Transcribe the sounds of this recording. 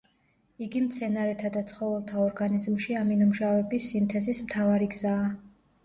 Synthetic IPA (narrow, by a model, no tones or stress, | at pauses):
iɡimt̪sʰɛnaɾɛt̪ʰad̪at̪sʰχɔvɛlˠt̪ʰaɔɾɡanizmʃiaminumʃavɛbisimt̪ʰɛzismt̪ʰavaɾiɡzaː